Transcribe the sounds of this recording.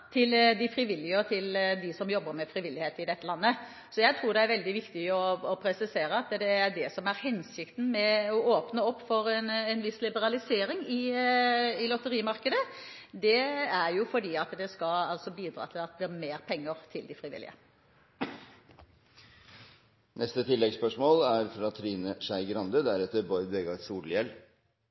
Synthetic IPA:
t̪ʰɪld̪ɪfɾɪʋɪlːɪəɔt̪ʰɪld̪ɪsɔmjɔbːəɾmɛfɾɪʋɪlːɪheːt̪ɪd̪ɛt̪ːəlɑnːə | sɔjæɪt̪ʰɾuːɾd̪ɛæɾʋɛld̪ɪʋɪkt̪ɪɔɔpʰɾɛsɪseːɾəɑt̪d̪ɛæɾɖɛsɔmæɾhɛnsɪkt̪n̩mɛɔoːpnəɔpːfɔɾɛnɛnʋɪslɪbəɾɑlɪseːɾɪŋɪ | ɪlɔt̪əɾiːmɑɾkəd̪ə | d̪ɛæɾjʊfɔɖiːɑt̪d̪ɛskɑɑlsɔbiːd̪ɾɑ̰ːt̪ʰɪlɑt̪̚d̪ɛæɾmeːɾpʰɛŋːəɾt̪ʰɪld̪ɪfɾɪʋɪ̰lːɪ̰ə̰ | nʔɛst̪ət̪ʰɪlːɛɡspœʂmoːlæɾfɾɑt̪ʰɾiːnəʂæɪɡɾɑnd̪əd̪æɾɛt̪ːəɾbɔɾʋeːɡɑsuːljɛl

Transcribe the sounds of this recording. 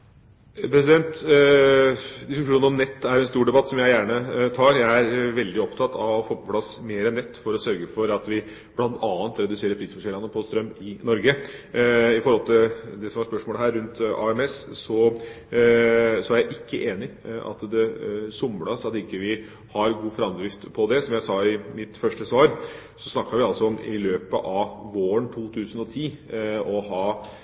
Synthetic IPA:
pʰɾɛsɪd̪ɛnt̪ | d̪ɪskʉʂuːnəɔmnɛt̪ːæɾɾɛnst̪uːɖɛbɑt̪ːsɔmjæɪjæːɳət̪ʰɑːɾjæɪæɾʋɛld̪ɪɔpt̪ʰɑt̪ːʰɑ̰ʋɔfoːpɔpʰlɑsmeːɾɛnːɛt̪ːfɔɾɔsœɾɡəfɔɾɑt̪ʋɪ | b̥lɑnt̪ʰɑːnt̪ɾɛd̪ʉseːɾəɾpʰɾiːsfɔʂɛlːɑnːəpʰɔst̪ɾœmːɪnɔɾɡə | ɪfɔɾhɔlt̪ʰɪld̪ɛsɔmʋɑɾspœʂmoːləɦæːɾːʉnt̪ɑ̰ɛmɛssɔ | sɔæɾjæɪʔɪkːəʔeːnɪɑ̰t̪d̪ɛsʊmːɽɑsɑt̪ɪkːəʋɪ | hɑɾɡuːfɾɑmd̪ɾɪft̪pʰɔd̪ɛsɔmjæɪsɑːɪmɪt̪fœʂʈəsʋɑːɾsɔsnɑkːɑɾʋɪɑlsɔɔmɪ̰løːpə̰ʔɑʋʋoːɾəɳt̪ʰuːt̪ʰʉːsənɔt̪ʰiːɔɦɑː

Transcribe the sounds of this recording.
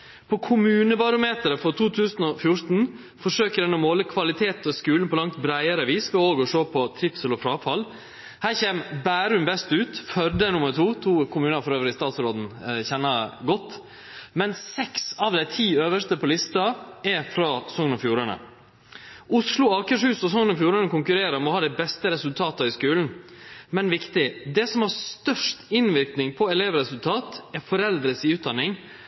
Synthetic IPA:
pʰɔkʰʊmʉːnəbɑɾʊmeːt̪əɾəfɔt̪ʰuːt̪ʰʉːsn̩ɔfjʊɾt̪n̩ | fɔʂøːkəɾɛnɔmoːləkʰʋɑlɪt̪ʰeːt̪ɔskʉːlnpʰɔlɑŋt̪bɾæɪəɾəʋiːskɑoːɡɔʂoːpʰɔt̪ʰɾɪpsəlɔfɾɑːfɑl | hæːɾçeːmbæːɾʉmbɛst̪ʉːt̪fœɾd̪ənʊməɾʈ̪ʰuːt̪ʰuːkʰʊmʉːnəɾfɔɾøːʋɾəɪst̪ɑːt̪sɾoːd̪n̩çɛnːɑɡɔt̪ː | mɛnsɛksɑʋd̪æɪt̪ʰiːøːʋəʂt̪əpʰɔlɪst̪ɑɛɾfɾɑsɔŋːənɔfjuːɾɑnə̰ | ʊslʊɑːkəʂhʉːsɔs̬ɔŋənɔfjuːɾɑnəkʊŋkʉɾeːɾəmɔhɑːd̪ɛɪbɛst̪əɾɛsʉlt̪ʰɑːt̪əɪskʉːln̩mɛnʋɪkt̪ɪd̪ɛsɔmhɑst̪œʂʈɪnʋɪɾknɪŋpʰɔɛleːʋɾɛsʉlt̪ʰɑːt̪ɛɾfɔɾɛld̪ɾəsɪʉːd̪ɑnːɪŋ

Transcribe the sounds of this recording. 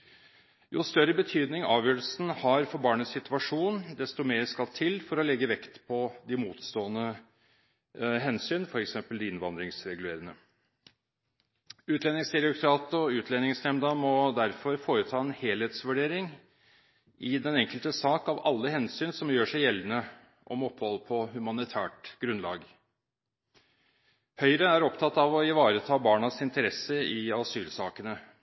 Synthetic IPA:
jʊ̰st̪œɾəbət̪ʰyːd̪nɪŋɑːʋjøːɾəlsn̩hɑɾfɔɾbɑːɳəsɪt̪ʉʋɑʂuːnd̪ɛst̪ɔmeːɾskɑlt̪ʰɪlfɔɾɔlɛɡːəʋɛkt̪pʰɔd̪ɪmuːt̪st̪oːənə | ɦɛnsyːnfɔɾɛksɛmpəld̪ɪɪnʋɑnd̪ɾɪŋsɾɛɡʉleːɾənə | ʉːt̪ʰlɛnɪŋst̪ɛɾɪʊkʰɾɑːt̪ɔʉːt̪ʰlɛnɪŋsnɛmd̪əmɔd̪æɾfɔɾfoːɾət̪ʰɑːɛnheːlheːt̪sʋʉɖeːɾɪŋ | ʔɪd̪ɛnɛŋkəlt̪əsɑːkɑʋɑ̰lːəhɛnsyːnsɔmjøːʂæɪjɛlːənə | ʔɔ̰mɔpːhɔlpʰɔhʉmɑnɪt̪ʰæːʈɡ̥ɾʉnlɑ̰ːɡ | hœʏəɾəæɾɔpt̪ʰɑt̪ːɑʋɔɪʋɑːɾət̪ʰɑːbɑːɳɑsɪnt̪əɾɛsəɪɑsyːlsɑːkənə

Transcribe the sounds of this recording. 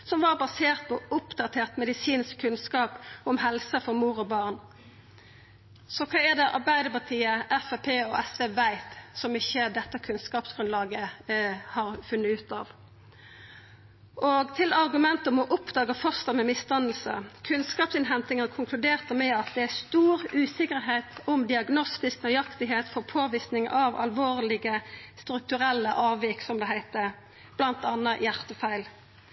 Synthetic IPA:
sɔmʋɑʁbɑseːʁt̪̚pʰɔʊpd̪ɑt̪ʰeːʁt̪mɛd̪ɪsiːnskʰːʉnskɑːpɔmɦɛlsəfɔʁmuːʁɔbɑːʁn | sɔkʰɑːæʁd̪ɛʔɑ̰ʁbæɪd̪əpɑʁt̪ʰiːəʔɛfæpʰeːɔʔɛsʋeːʋæɪt̪sɔmɪçːəd̪ɛt̪ːəkʰʉnskɑːpsɡ̥ʁʉnlɑːɡəhɑːʁfʉnːəʉːt̪ɑːʋ | ʔoɡt̪ʰɪlɑʁɡʉmɛnt̪əmɔʔʊpd̪ɑːɡəfœst̪əmɛmɪst̪ɑnəl̩sə̰kʰʉnskɑːpsɪnɦɛnt̪ɪŋəkʰʊŋkʰlʉd̪eːʁt̪əmɛɑt̪̚d̪ɛæst̪uːʁʉːsɪkəʁɦeːt̪ʊmd̪ɪɑɡnɔst̪ɪsknœʏɑkt̪ɪɦeːt̪fɔʁpʰoːʋisnɪŋʔɑʋɑ̰lʋoːʁlɪɡəst̪ɾʉk̚t̪ʉʁɛlːəʔɑːʋɪksɔmd̪ɛɦæɪt̪ə | b̥lɑnt̪ɑnːəjæʁt̪əfæɪl

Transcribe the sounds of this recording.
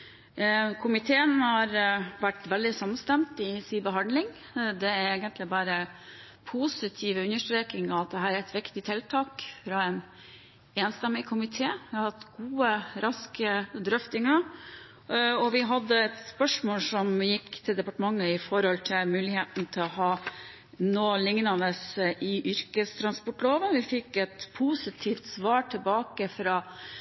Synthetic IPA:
kʰʊmɪt̪ʰeːənhɑɾʋæʈːʋɛld̪ɪsɑmːənst̪ɛmt̪ɪsiːbəɦɑnd̪lɪŋ | d̪ɛæɾeːɡənt̪lɪbɑːɾə | pʰusɪt̪ʰiːʋəʉnəʂʈ̪ɾeːkɪŋɑʋɑt̪̚d̪ɛɦæːɾæɾɛt̪ʋɪkt̪ɪt̪ʰɛlt̪ʰɑːkfɾɑɛn | eːnst̪ɛmːɪkʰʊmɪt̪ʰeːʋɪɑɾhɑt̪ɡuːəɾʔɑskəd̪ɾœft̪ɪŋɑ | ɔʋɪɦɑd̪ːəɛt̪spœʂmoːlsɔmjɪkːt̪ʰɪld̪ɛpɑʈəmɑŋːəɪfɔɾhɔlt̪ʰɪlmʉːlɪheːt̪n̩t̪ʰɪlɔhɑː | noːlɪŋnɑnəsʔɪʔʏɾkəst̪ʰɾɑnspɔʈloːʋənʋɪfɪkːɛt̪pʰusɪt̪ʰiːft̪sʋɑːʈʰɪlbɑːkəfɾɑ

